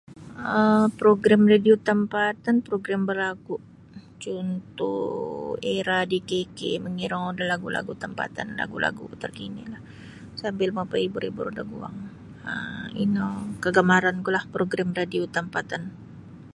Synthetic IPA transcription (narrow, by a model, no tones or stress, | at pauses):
əpɾoɡɾamradiot̪əmpat̪anpɾoɡɾambərlakuʔ | t͡ʃunt̪ṵ | eɾadikekḛməŋiɾaŋudahlaɡula̰ɡut̪əmpa̰t̪anla̰ɡulʔa̰ɡṵt̪ərkinḭlah | sambɪlmapaibʊɾibṵɾudaɡua̰ŋ | əḭnakəɡamaɾankulahpɾoɡɾamradiot̪əmpat̪an